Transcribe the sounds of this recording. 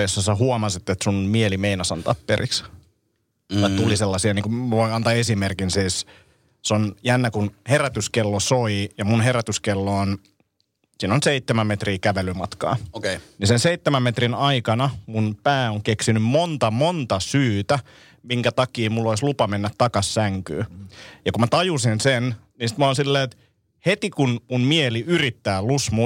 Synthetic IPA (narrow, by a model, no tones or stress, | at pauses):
josːɑsæhuɑmɑsit̪ːet̪sunmielimeinɑsɑnt̪ɑ̰pːerʔḭks | ɑt̪uliselːɑsiɑniːŋkumʋoiɑnt̪ɑːesimerkinsiːs | sonjænːækunheræt̪yskelːosoijɑmunɦeɾæt̪yskelːoːn | siːnonseit̪ːemæmmet̪riːkæʋelymɑt̪kɑ̰ːokenisenseit̪ːemæmmet̪rinɑikɑnɑmunpæːoŋkeksinymmont̪ɑmont̪ɑsyːt̪æ | miŋkæt̪ɑkiːmulːoislupɑmenːæt̪t̪ːɑkɑssæŋky̰ːjɑkumæt̪ɑjusinsen | nisi̥t̪moːnsilːeːt̪ | het̪ikunmunmieliyrit̪ːæːlusmu